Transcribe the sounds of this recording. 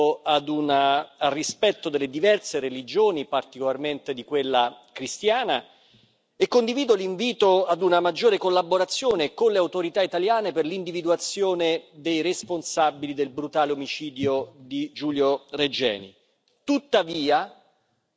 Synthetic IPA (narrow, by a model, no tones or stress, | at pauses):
ad̪unaarːispɛt̪ːod̪elːed̪ivɛrseɾelid͡ʒoːnipart̪ikolarment̪ed̪ikwelːa | kɾist̪jaːna | ekːond̪iviːd̪oliɱviːt̪oad̪unamad͡ʒːoːɾekolːabːoɾat̪sːjoːnekonleawt̪oɾit̪ait̪aljaːneperlind̪ivid̪uat̪sːjoːned̪ejresponsabilid̪elbɾut̪aːleomit͡ʃiːd̪jod̪id͡ʒuːljored͡ʒɛ̰ːnḭ | t̪ut̪ːaviːa